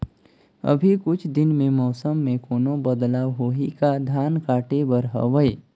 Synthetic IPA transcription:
ə̰bʱikʊt͡ʃʰd̪ɪnmẽmɔːsəmːẽkoːnõbəd̪laːwɦoːikad̪ʱaːnkaːʈebəɾɦə̰ʋəe

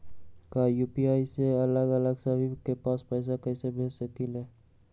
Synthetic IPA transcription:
kajuːpiaːiseələɡələɡsəbikepaːspɛːs̬akɛːsebʱeːd͡ʒsəkilɦɛː

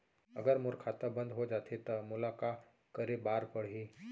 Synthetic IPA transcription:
ə̰ɡəɾmʊɾkʰat̪əbə̃nd̪ɦod͡ʒat̪ʰet̪əmʊlaka | kəɾebaːɾpəɽ̤ɦi

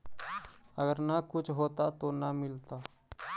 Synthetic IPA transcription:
əɡəɾnakut͡sʰɦot̪at̪onamilt̪a

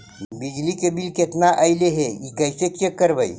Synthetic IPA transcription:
bid͡ʒlikebilket̪naʔəɪleɦeikəjsekekəɾbəi

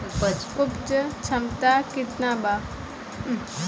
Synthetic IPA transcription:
upt͡ʃət͡ʃʰɐmt̪akɪt̪naba

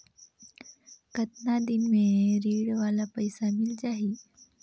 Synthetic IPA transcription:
kət̪nad̪inmeɾiɽʋalapəjsamild͡zaɦi

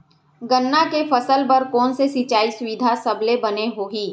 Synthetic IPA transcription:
ɡənːakefɐsəlpɐɾkɔːnsesit͡ʃaːisʊʋid̪ʱasɐblebɐneɦoːɡiː

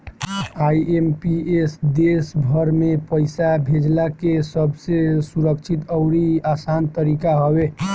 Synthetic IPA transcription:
aiempiesd̪esbʱəɾmepəɪsabʱed͡ʒlakesəbʱsesuɾəkt͡ʃʰit̪əʊɾiasant̪əɾikaɦɔbe

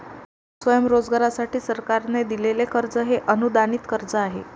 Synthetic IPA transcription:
sʋəjəmɾod͡zɡaɾasaʈiːsəɾkaɾned̪ilelekəɾd͡zəɦeʔənud̪aniːt̪kəɾd͡zəaɦe

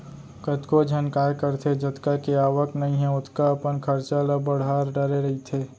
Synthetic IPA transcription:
kət̪kod͡ʒʱənkaːjkəɾt̪ʰed͡ʒɐt̪kakeaːʋəknɐɦĩɦɛʊt̪ʰkaɐpənkʰɐɾt͡ʃalabɐɽ̤ɦaːɾɖɐɾeɾɐɦit̪ʰeː

